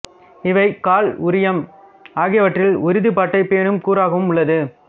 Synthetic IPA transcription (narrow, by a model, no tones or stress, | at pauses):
ɪʋɐɪkaːlʊɾɪjɐm | aːɣɪjɐʋɐʈrɪlʊɾɪðɯpaːʈːɐɪpːeːɳɯmkuːɾaːɣɐɯmʊɭːɐðɯ